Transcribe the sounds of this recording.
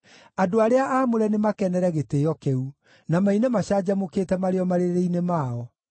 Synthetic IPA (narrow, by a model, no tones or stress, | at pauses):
adoaɾeaʔaːmoɾɛnemakɛnɛɾɛɣeteːjɔkeu | namainemaɕaːd͡ʑamokeːtɛmaɾeɔmaɾeɾɾeinemaːɔ